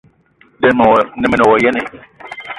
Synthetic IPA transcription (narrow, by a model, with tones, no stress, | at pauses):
dɛ˦m˨nɛ˨mɪ˨nɪ˨wɔ˨jɛ˦nɪ˨